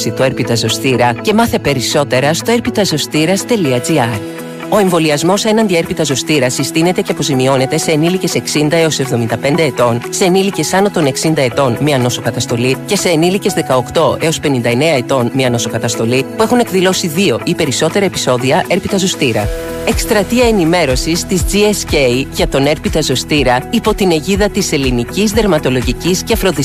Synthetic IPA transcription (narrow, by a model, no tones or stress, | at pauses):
sit̪ue̞ɾpit̪ɐzo̞st̪iɾɐce̞mɐθe̞pe̞ɾiso̞t̪e̞ɾɐst̪o̞e̞ɾpit̪ɐzo̞st̪iɾɐst̪e̞liɐziɐɾ | o̞e̞ɱvo̞liɐzmo̞se̞nɐnd̪ie̞ɾpit̪ɐzo̞st̪iɾɐsist̪ine̞t̪e̞ceɐpo̞zimio̞ne̞t̪e̞se̞ːnilice̞se̞ksind̪ɐe̞o̞se̞vðo̞mind̪ɐpe̞nd̪eet̪o̞nseːnilice̞sɐnot̪o̞ne̞ksind̪ɐe̞t̪o̞nmiɐno̞so̞kɐt̪ɐst̪o̞lice̞se̞ːnilice̞zðe̞kɐo̞kt̪o̞e̞o̞spe̞nind̪ɐe̞ne̞ɐe̞t̪o̞nmiɐno̞so̞kɐt̪ɐst̪o̞lipue̞xune̞kðilo̞siðio̞ʔipe̞ɾiso̞t̪e̞ɾɐepi̥so̞ðiɐʔe̞ɾpit̪ɐzost̪iɾɐ | e̞kst̪ɾɐt̪iɐenime̞ɾo̞sist̪izd͡ziescejʝɐt̪o̞ne̞ɾpit̪ɐzo̞st̪iɾɐipo̞t̪ine̞ʝiðɐt̪ise̞linicizðe̞ɾmɐt̪o̞lo̞ʝiciscefɾo̞ði